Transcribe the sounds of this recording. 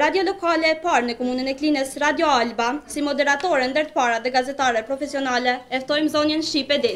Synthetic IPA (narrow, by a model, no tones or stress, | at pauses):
ɾad̪jɔlɔkalɛːpaɾnəkɔmunənɛklinɛsɾad̪jɔalbasimɔd̪ɛɾat̪ɔɾɛnd̪əɾt̪ə̥paɾaðɛɡazɛt̪aɾɛpɾɔfɛsiɔnalɛɛft̪ɔjmzɔnjɛnʃt̪ipɛd̪is